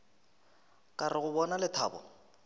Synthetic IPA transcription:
kʼarɪɣʊbɔnalɪtʰa̰ːbɔ̰

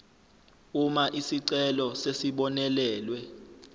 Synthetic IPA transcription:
umaʔisiǀɛlɔsesiɓɔnɛlɛːlwɛ

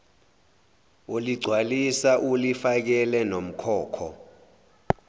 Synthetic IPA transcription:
oliɡ͡ǀʱwalisaʔulifak̬ɛlɛnom̩kʰɔːkʰɔ̰

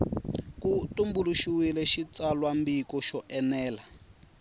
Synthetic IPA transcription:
kutumbuluʃiwilɛʃit͡salwambikɔʃɔʔɛnɛːla

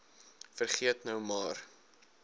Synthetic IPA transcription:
fərχiətnœwmɑːr

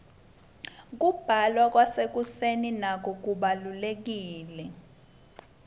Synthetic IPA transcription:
k̬ub̥ʱalwak̬ʼwasek̬useninak̬ʰʼɔk̬ʼuɓalulek̬iːlɛ

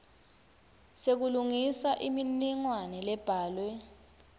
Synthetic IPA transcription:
sek̬uluŋisaʔiminiŋwanɛlɛb̥ʱaːlwɛ

